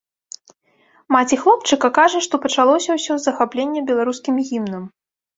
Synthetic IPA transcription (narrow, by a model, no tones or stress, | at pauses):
mat͡sʲixlˠɔp̚t͡ʂɨkɐkaʐɐʂt̪ɔpɐt͡ʂalˠɔsʲɐwsʲɔzːɐxaplʲenʲːɛbʲɛlˠaɾuskʲimɣʲimnɨm